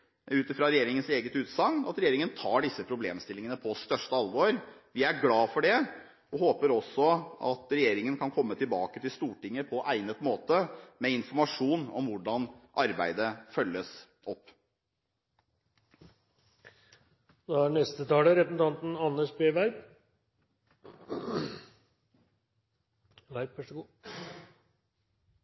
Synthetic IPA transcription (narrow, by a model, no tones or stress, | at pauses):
ʉːt̪ɪfɾɑɾɛjeːɾɪŋənseːɡət̪ʉːt̪sɑŋːɑ̰t̪ɾɛjeːɾɪŋənt̪ʰɑːɖɪsːəpʰɾʊblḛːmst̪ɪlɪŋənəpʰɔst̪œʂʈəɑlʋoːɾʋɪæɾɡlɑːfɔɖɛ | ɔhoːpəɾɔsːɔɑ̰t̪ɾɛjeːɾɪŋənkʰɑnkʰɔmːət̪ɪlbɑːkət̪ɪlst̪uːʈɪŋːəpʰɔʔæɪnət̪moːt̪əmɛɪnfɔɾmɑʂuːnɔmʋʊɖɑnʔɑɾbæɪd̪əfœlːəs | ʔɔpː | d̪ɔæɳɛst̪ət̪ʰɑːləɾɛpn̩t̪ʰɑnt̪n̩ɑnːəʂbeːʋæɾb | ʋæɾpʋɛʂɡ